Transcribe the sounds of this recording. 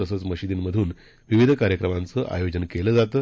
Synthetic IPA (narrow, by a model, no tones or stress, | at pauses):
əsət͡sməɕid̪iːnməd̪ʱuːn | ʋiʋid̪ʱkaɾjəkɾəmãnt͡səʔa̰jod͡ʑənkeləːd͡zat̪əː